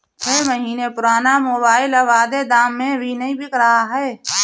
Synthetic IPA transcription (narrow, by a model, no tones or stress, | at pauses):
t͡ʃʰeːməɦiːnepʊɾaːnamoːbaːɪləʋaːd̪ed̪aːmːẽbʱinəĩbʱɪkɾaaɦɛː